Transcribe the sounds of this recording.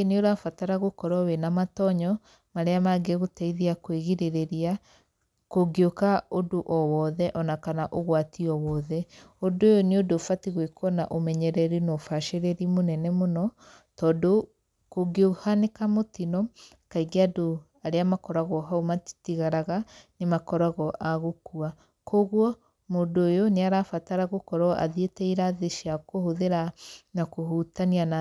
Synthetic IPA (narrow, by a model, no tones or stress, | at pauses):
neoɾafataɾaɣokɔɾɔwenamatɔɲɔ | maɾeamaɡeɣotaiðiakweɣiɾeɾeɾia | koɡiokaodoʔɔwɔðɛʔɔnakanaʔoɣwatʰiɔwɔːðɛodojɔneodofatiɣwekwɔna̰ʔomɛɲɛɾɛɾinɔfaʃeɾeɾimonɛnɛmonɔ | tɔːdo | koɡeuhanekamotinɔ | kaiɡeado | aɾeamakɔɾaɣɔɦaomḁtiɣaɾaɣanemakɔɾaɣɔʔaɣokua | koɣwɔ | modoːjoneaɾaːfataɾaɣokɔɾɔʔa̰ðietɛiɾaðeʃiakohoðeɾanakoɦutaniana